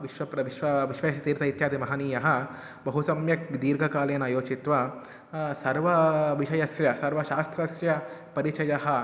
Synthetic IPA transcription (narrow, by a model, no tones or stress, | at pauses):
ʋiʃʋɐpɾɐʋiʃʋɐʋiʃʋɐʃɐt̪iːɾt̪ɐit̪jaːt̪imɐɦaniːjɐɦɐ | bɐɦusɐmjɐkd̪iːɾɡʱɐkaːlɐjɐnaːjoːt͡ʃit̪ʋɐ | sɐɾʋɐʋiʃɐjɐsjɐsɐɾʋɐʃaːst̪ʰɾɐsjɐpɐɾit͡ʃɐjɐɦɐ̆